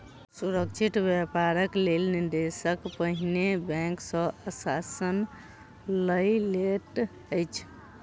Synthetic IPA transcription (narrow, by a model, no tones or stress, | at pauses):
suɾək̚t͡ʃʰit̪bjepaɾəklelniɾd̪esəkpəɦinebɛ̃ŋksə̃əsasən | ləjleʈ | əjt͡ʃʰ